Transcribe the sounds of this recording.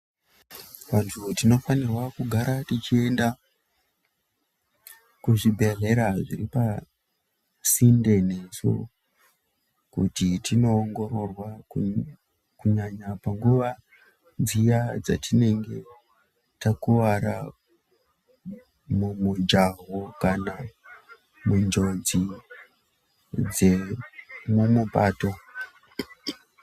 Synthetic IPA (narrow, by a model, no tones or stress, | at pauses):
ʋantʰutino̞fanirwakuɡʱaɾatit͡ʃie̞nda | kuʐibʱe̞ɮe̞ɾaʐiɾipa | sinde̞ne̞so̰ | kutitino̞ːŋɡo̞ro̞rwa | kuɲaɲapaŋɡuʋa | d͡zijad͡za̰tine̞ŋɡe̞ | takuʋaɾa̰ | mumud͡ʒaɦokana | mund͡ʒo̞d͡zi | d͡ze | mumupaːto